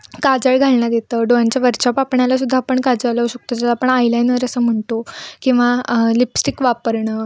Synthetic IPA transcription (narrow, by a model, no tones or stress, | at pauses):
kad͡zəɭɡʱalnad̪et̪əːɖojaɲt͡ɕjaʋəɾt͡ɕapapɳalas̬ud̪ʱːaːpəɳkad͡zələuɕək̚t̪od͡zalaːpəɳajlajnʋəɾəsəːm̤əɳt̪okĩw̃ʋalipsʈikʋapəɾɳəː